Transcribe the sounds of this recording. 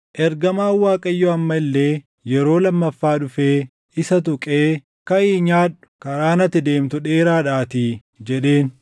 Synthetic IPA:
ʔɛɾɡɐmaːwaːkʼɐjːoɐmːɐɪlːeː | jɛɾo̞ːlɐmːɐfːaːᶑʊfeː | ɪsɐt̪ʊkʼeː | kɐiːɲaːᶑʊ̥kɐɾaːnɐt̪ːɪd̪e̞ːmt̪ʊᶑeːɾaːᶑaːt̪ɪ | d͡ʒɛᶑe̞ːn

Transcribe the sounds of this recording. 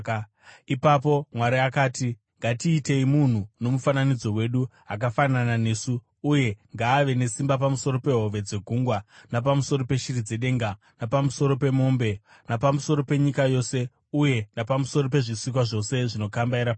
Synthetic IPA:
ipapo̞mwaɾiakaːti | ŋɡatiːte̞imun̤uno̞mufananid͡zo̞we̞ɗu | ak̬afananane̞ːsuː | je̞ŋɡaːʋe̞ne̞simbap̬amuso̞ɾo̞pe̞ɦo̞ve̞d͡ze̞ɡʱuŋɡwanap̬amuso̞ɾope̞ʃirid͡ze̞ɗe̞ːŋɡa | napamuso̞ɾo̞pe̞mo̞ːmbe̞ | napamuso̞ɾo̞pe̞ɲikajo̞se̞ | uje̞napamuso̞ɾop̬e̞ʐiswik̬waʐo̞se̞ʐino̞kambaiɾap

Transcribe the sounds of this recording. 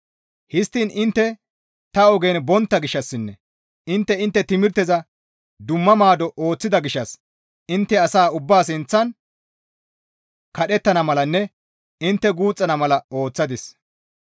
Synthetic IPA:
hɪst̪ːiːnʔɪnt̪ːɛ | t̪ɐɔɡeːnbɔnt̪ːɐɡɪʃːɐsːɪnːɛ | ɪnt̪ːɛɪnt̪ːɛt̪ɪmɪɾt̪ɛzɐ | d̪ʊmːɐmaːd̪ɔʔo̞ːt͡sːɪd̪ɐɡɪʃːɐs | ɪnt̪ːɛɐsaːʊbːaːs̬ɪnt͡sːɐn | kɐɗɛt̪ːɐnɐmɐlɐnːɛ | ɪnt̪ːɛɡuːt͡sʼːɐnɐmɐlɐo̞ːt͡sːɐd̪ɪs

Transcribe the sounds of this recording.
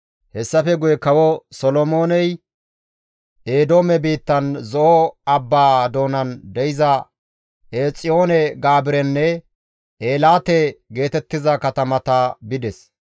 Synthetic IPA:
hɛsːɐfɛɡʊjɛkɐwɔsɔlɔmo̞ːnɛj | eːd̪o̞ːmɛbiːt̪ːɐnzɔʔɔɐbːaːd̪o̞ːnɐnd̪ɛjɪzɐ | eːt͡sʼɪjo̞ːnɛɡaːbɪɾɛnːɛ | ʔeːlaːt̪ɛɡe̞ːt̪ɛt̪ːɪzɐkɐt̪ɐmɐt̪ɐbɪd̪ɛs

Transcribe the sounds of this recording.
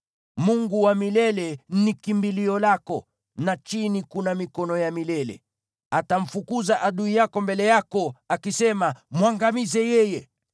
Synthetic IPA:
muŋɡuwamilɛlɛnikimbiliɔlakɔ | nat͡ʃinikunamikɔnɔjamilɛlɛ̰ | ataɱ̩fukuzaʔaɗuijakɔmbɛlɛjakɔakisɛmamwaŋɡamizɛjɛjɛ

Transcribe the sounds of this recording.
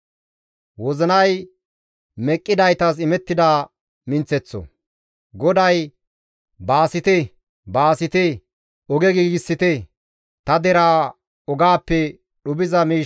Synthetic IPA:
wɔzɐnɐj | mɛkʼːɪd̪ɐjt̪ɐs̬ɪmɛt̪ːɪd̪aː | mɪnt͡sːɛt͡sːɔ̰ | ɡɔd̪ɐj | baːsɪt̪ɛ | baːsɪt̪ɛ | ɔɡɛɡiːɡɪsːɪt̪ɛ | t̪ɐd̪ɛɾaː | ɔɡaːpːɛ | ɗʊbɪzɐmiː

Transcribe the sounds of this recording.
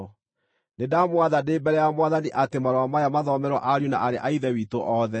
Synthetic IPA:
nedamwaðadeːbɛɾɛjamwaðaniʔatemaɾɔwamajamaðɔmɛɾwɔ̰ʔaɾjuna̰ʔaɾeʔaiðɛwitoʔɔðɛ

